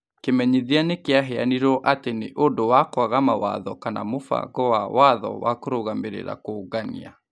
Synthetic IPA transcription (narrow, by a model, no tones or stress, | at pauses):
kemɛɲiðianekeaɦɛaniɾɔʔateneʔodowakwaɣamawa̰ðɔkana̰mofa̰ɡɔwawʔaðɔ̰wakoɾoɣameɾḛɾa̰koɡanḭa̰